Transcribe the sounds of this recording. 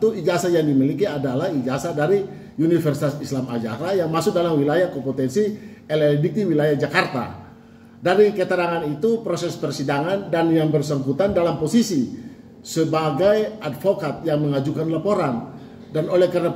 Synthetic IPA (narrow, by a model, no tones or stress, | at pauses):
t̪uid͡ʒasajaŋdimilikiadalahid͡ʒasadaɾi | unifərsit̪asislama̰d͡ʒa̰ɾajaŋmasʊk̚dalamwilajahkopot̪ɛnsiɛlɛldik̚t̪iwilajahd͡ʒakart̪a̰ | daɾikət̪əɾaŋanit̪upɾosɛspərsidaŋandanjaŋbərsəŋkut̪andalamposisi | səbaɡajadfokat̪̚jaŋməŋad͡ʒukanlapoɾan | danolɛhkaɾna